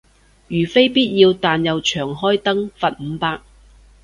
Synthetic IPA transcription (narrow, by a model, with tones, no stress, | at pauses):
jyː˨˩fe˥jpiː˥t̚jiː˧wt̪aː˨njɐ˨wt͡ʃʰœː˨˩ŋɦɔː˥jt̪ɐ˥ŋfɐ˨t̚m̩˨˧paː˧k̚